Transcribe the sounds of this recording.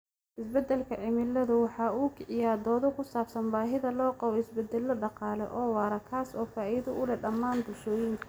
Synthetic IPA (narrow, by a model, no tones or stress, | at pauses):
ʔɪsbɛd̪ɛlkʰɐʕɪmɪlːɐðʊwɑħɑːuːkʰɪʕɪjaːd̪ɔːðɔkʰʊsaːbsɐnbaːɦɪðɐlɔːqɑβɔɪsbɛd̪ːɛlːɐɖɑqɑːlɛ̰ʔɔːwɑːɾɐkʰaːsɔːfaːʔɪðɐʊlɛɖɐmːaːnd̪ʊʃɔːjɪŋkʰɐ̥